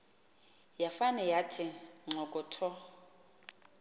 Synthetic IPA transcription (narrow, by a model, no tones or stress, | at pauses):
jafanɛjatʰɪŋ͡ǁɔkʼɔtʰɔ